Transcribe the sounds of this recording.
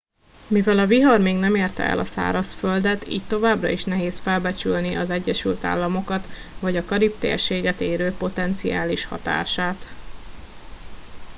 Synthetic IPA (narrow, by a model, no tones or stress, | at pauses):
mivɛlɒviɦɒrmeːɡnɛmeːrt̪ɛ̰ɛ̰lʔɒsa̰ːɾɒsføld̪ɛt̪ḭːc̚t̪o̞vaːbrɒ̰iʃnɛɦeːsfɛlbɛt͡ʃylniʔɒzɛɟːɛʃylt̪a̰ːlːɒmo̞kɒt̪ | vɒɟɒkɒɾip̚t̪ḛrʃeːɡɛt̪eːɾøːpo̞t̪ɛnt̪sija̰ːliʃhɒ̰t̪a̰ːʃaːt̪